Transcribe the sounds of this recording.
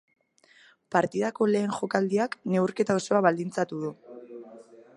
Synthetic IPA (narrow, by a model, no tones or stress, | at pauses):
paɾt̪iðako̞le̞ːŋʝo̞kald̪iakne̞uɾke̞t̪ao̞so̞aβald̪int͡sat̪uð̞u